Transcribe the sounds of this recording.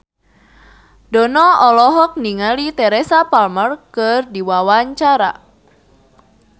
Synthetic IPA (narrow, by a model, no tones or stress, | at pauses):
dɔnɔɔlɔɦɔk̚niŋalit̪ɛɾɛsapalmərkɨrdiwawaɲt͡ʃaɾa̰